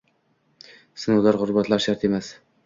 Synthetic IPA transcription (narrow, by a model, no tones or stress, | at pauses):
sɪnuwlaɾʁʊɾbat̪laɾʃaɾt̪ʰe̞mas